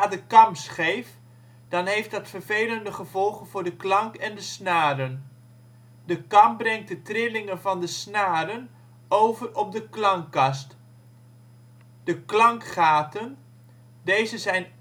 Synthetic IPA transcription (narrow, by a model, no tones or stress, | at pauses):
aːdəkɑmsχejf | d̥ɑnɦejftdɑtfəɹvejləndəχəvɔlˠχənvʊːɹdəklɑŋkɛndəsnaːɾən | dəkɑmbrɛŋ̚t̚dətrɪlɪŋənvɑndəsnaːɾən | owvərɔp̚dəklɑŋkɑst | d̥əklɑŋkχaːtən | dejzəzɛjn